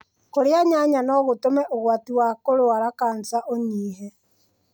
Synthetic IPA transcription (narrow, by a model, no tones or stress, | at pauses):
koɾeaɲaɲanɔɣotomɛʔoɣwatiwakoɾoaɾakant͡saʔoɲiːɦɛ